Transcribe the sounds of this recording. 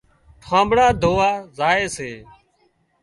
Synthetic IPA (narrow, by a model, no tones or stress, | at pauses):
ʈʰãːmbɽaːd̪ʱoːaːzaːeːseː